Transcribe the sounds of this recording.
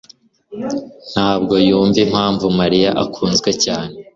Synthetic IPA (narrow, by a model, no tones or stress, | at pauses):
n̥haːb̚ɡo̞juːɱvim̥haːɱvumaɾijaʔakʰuːnzɡwecaːne